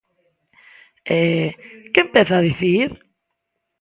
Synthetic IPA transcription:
ɛkempɛθaðiθiɾ

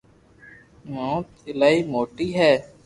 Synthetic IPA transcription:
mõːt̪ɪlaːiːmoːʈiːɦɛː

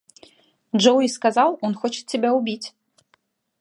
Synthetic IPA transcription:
d͡ʒowiskazalˠɔnxɔt͡ʃe̥t̪tʰʲːebʲaubʲit͡sʲ

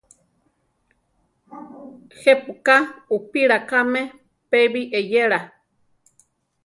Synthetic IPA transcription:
hepukaupiɺakame | peβiʔejeɺa

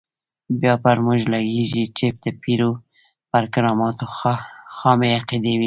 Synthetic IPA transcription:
bjɑpaɾmuʒlaɡeʒit͡ʃep̚d̪əpiɾu | paɾkɪɾɑmɑt̪oxɑmeaqid̪ewi

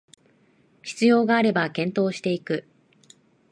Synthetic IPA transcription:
çi̥t͡sɨjo̞ːɡaːɾe̞bakẽ̞nt̪o̞ːɕi̥t̪e̞ikɯ̟

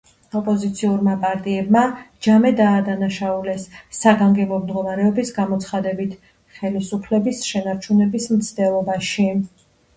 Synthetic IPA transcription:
ɔpʼɔzit̪sʰiuɾmapʼaɾt̪ʼiɛbmad͡ʒamɛd̪aːd̪anaʃaulɛsːaɡaŋɡɛbɔmd̪ɡɔmaɾɛɔbisɡamɔt̪sʰχad̪ɛbit̪ʰ | χɛlisupʰlɛbisʃɛnaɾt͡ʃʰunɛbismt̪sʰd̪ɛlˠɔbaʃi

